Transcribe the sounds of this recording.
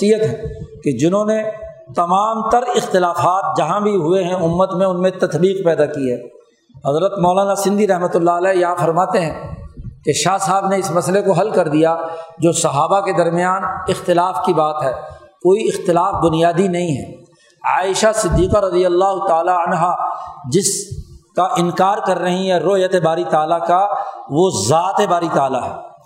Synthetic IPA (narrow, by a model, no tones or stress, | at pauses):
ijət̪ɦɛ̃ked͡ʒɪnɦõne | t̪ɐmaːmt̪ɐɾɪxt̪ɪlaːfaːt̪̚d͡ʒɐɦãbʱiɦʊeɦɛ̃ʊmːət̪mẽʊnmẽt̪ɐt̪biːq̚pɛːd̪akiɦɛː | ɦɐzɾət̪mɔːlaːnasɪ̃nd̪iɾɐɦmət̪ʊlːaəlɛːjɐɦãfɐɾmaːt̪eɦɛ̃keʃaːsaːbneɪsmɐslekoɦɐlkɐɾd̪ijad͡ʒoːsɐɦaːbaked̪ɐɾmɪjaːnɪxt̪ɪlaːfkibaːt̪ɦɛːkoːiɪxt̪ɪlaːfbʊnijaːd̪inɐɦĩɦɛ̰ | a̰ːɪʃasɪd̪ːiːqaɾɐd̪ijəlːaːɦʊt̪aːlaɐnɦad͡ʒɪskaʔɪ̃nkaːɾkɐɾːɐɦiɦɛɾoːjət̪ebaːɾit̪aːlakaʋozaːt̪ebaːɾit̪aːlaɦɛ̰ː